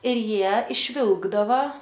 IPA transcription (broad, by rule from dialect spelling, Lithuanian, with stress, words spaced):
ɪr ˈjiɛ ɪʃʲˈʋʲɪlˠɡdɐʋɐ